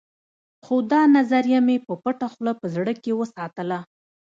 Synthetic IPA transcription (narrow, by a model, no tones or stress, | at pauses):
xod̪ɑnazaɾijamepəpəʈaxlapəzɽəkewəsɑt̪əla